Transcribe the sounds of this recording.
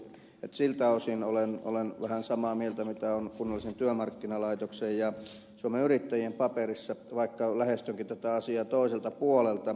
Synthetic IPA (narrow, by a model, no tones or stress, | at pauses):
et̪silt̪æosinoleno̰lenʋæhænsɑmɑːmielt̪æmit̪æonkunːolːˑisent̪yømɑrkːinɑlɑit̪oksejjɑ | suomeyrit̪ːæjiempɑperisːɑʋɑikːɑlæhest̪øŋkit̪æt̪æɑsiɑːt̪oˑiselt̪ɑpuolelt̪ɑ